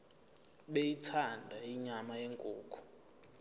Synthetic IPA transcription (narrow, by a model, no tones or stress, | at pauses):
ɓejitʰandʱaiɲamajeŋkʼuːkʰʼu̥